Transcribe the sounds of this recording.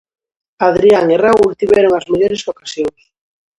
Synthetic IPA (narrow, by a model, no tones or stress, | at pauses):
aðɾiaŋerault̪iβɛɾoŋazmeʎoɾesokḁsjoŋs